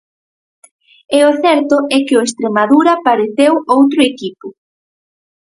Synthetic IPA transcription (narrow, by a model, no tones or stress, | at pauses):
ɛʊθɛɾt̪ʊɛkɪoest̪ɾemaðuɾɐpaɾeθewowt̪ɾʊekipʊ